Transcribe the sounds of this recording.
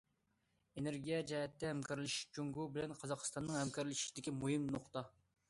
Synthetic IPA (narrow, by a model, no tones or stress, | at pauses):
eneɾɡʲijɛd͡ʒɛɦɛt̪ːɛɦɛmkɑɾlɪʃi̥ʃt͡ʃʰuŋɡubɪlɛnqʰɑzɑqəst̪ɑnːɨŋhɛmkʰɑɾlˠɪʃi̥ʃid̪ɪkʲimuhɨmnoχt̪ɑ